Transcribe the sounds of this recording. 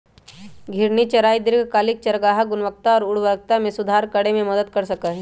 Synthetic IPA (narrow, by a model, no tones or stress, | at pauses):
ɡʱɪɾnit͡ʃɐɾaːid̪ɪɾkkaːlɪk̚t͡ʃɐɾɡaːɦaɡʊnʋək̚t̪aɔːɾʊɽʋəɾk̚t̪amẽsʊd̪ʱaːɾkɐɽemẽmɐd̪əd̪kɐɾsɐkaɦɛ